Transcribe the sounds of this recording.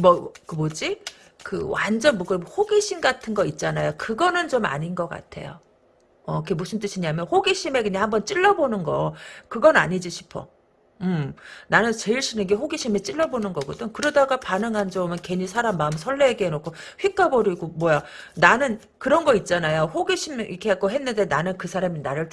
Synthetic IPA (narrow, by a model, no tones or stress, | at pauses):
mʌkɯmod͡ʑi | kɯ̰wand͡ʑʌnmoɡɯhoɡiɕʰinɡatʰɯnɡʌit̚t͡ɕ͈anajokɯɡʌnɯnt͡ɕoma̰ɲinɡʌk͈a̰tʰe̞̰jo̰ | ʌkʰemus͈ʰɯnt͈ɯɕʰiɲamjʌnɸoɡiɕʰime̞kɯɲaŋhambʌnt͡ɕ͈iɭːʌbonɯnɡʌkɯɡʌna̰ɲid͡ʑiɕʰi̥pʰʌ̰ | ɯmnanɯnt͡ɕeiɭɕʰinɯnɡe̞ɸoɡiɕʰime̞t͡ɕ͈iɭːʌbonɯnɡʌɡʌdɯŋkɯɾʌdaɡapanɯŋɦand͡ʑomɯnke̞ɲisʰaɾamːaɯmsʰʌɭːeːɡeɦenokʰo | ɸɥik͈abʌɾiɡomwʌja | nanɯn | kɯɾʌnɡʌit̚t͡ɕ͈anajoɸoɡiɕʰimikʰek͈oɦe̞nːɯnde̞nanɯnkɯsʰaɾaminaɾɯɭ